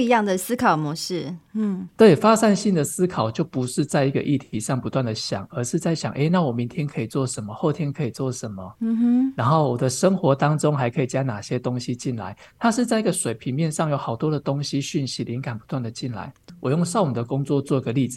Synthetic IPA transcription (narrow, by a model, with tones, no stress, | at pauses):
u˥i˧˥jɑ˥˩ŋd̪ə˨s̩˥kʰɑ˨˩ʊmɔ˧˦ʂɻ̩˥˩˥t̪we˥˩ɪfa˦ʂa˥˧nɕi˥˩nd̪ə˨sɹ̩˥kʰɑ˨˩ʊt͡ɕjo˥˩ʊpu˧˦ʂɻ̩˥˧t͡sa˥˧ɪi˧˥ɡə̰˧ʔi˥˨˩t̪ʰi˧˥ʂɑ˥˩ŋpu˧˥t̪wa˥˩nd̪ə˩ɕjɑ̰˨˩ŋə˧ʂɻ̩˥˧t͡sa˥˩ɪɕjɑ˨˩ŋʔḛ˥ɪna˥˩wɔ˨˩mi˧˦nt̪ʰjɛ˥nkʰə˧˥i˨˩t͡swɔ˥˩ʂə˧˦nmə˨xo˥˩ʊt̪ʰjɛ˥nkʰə˧˥i˨˩t͡swɔ˥˩ʂə˧˦nmə˨˧na˧˥nxo˥˩ʊwɔ˨˩d̪ə˦ʂə˥ŋxwɔ˧˥t̪ɑ˥ŋʈ͡ʂʊ˥ŋxa˧˥ɪkʰɤ˧˥i˨˩t͡ɕja˥na˨˩ɕjɛ˦t̪o˥ŋɕi˦t͡ɕi˥˩nla̰˧˦ɪ | t̪ʰa˥ʂɻ̩˥˧t͡sa˥˧i˥ɡə˨ʂwe˨˩ɪpʰi˨˥ŋmjɛ˥˧nʂɑ˥˩ŋjo˨˩ʊxɑ˨˩ʊt̪wɔ˥d̪ə˨t̪o˥ŋɕi˧˥ɕy˥˩nɕi˨˥lʔi˨˦nka˨˩npu˧˥t̪wa˥˩nd̪ə˩t͡ɕi˥˩nla̰˧˦ɪwɔ˨˩jo˥˧ŋʂɑ˥˩ʊu˨˩d̪ə˩kʊ˥ŋt͡swɔ˥˧t͡swɔ˥˧i˧˥ɡə˨˧li˥˩d͡zɹ̩˨˩